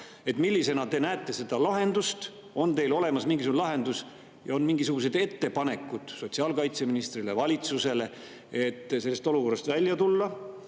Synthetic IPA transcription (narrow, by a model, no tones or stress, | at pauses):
e̞t̪milʲːise̞nɑt̪enæːt̪ːˑe̞se̞d̪̥ɑlɑɦe̞nd̪ust̪ | o̞nt̪e̞jlo̞le̞mɑsmiŋɡis̬uɡnlɑɦe̞nd̪us | jɑo̞nmiŋɡisuɡ̥use̞d̪e̞t̪ːe̞pɑne̞kːud̪̥so̞t̪siɑːlkɑjt̪se̞minist̪rilevɑlʲit̪suse̞le̞ | et̪ːˑse̞lːe̞st̪o̞luko̞rːɑst̪vælʲjɑt̪ulːɑ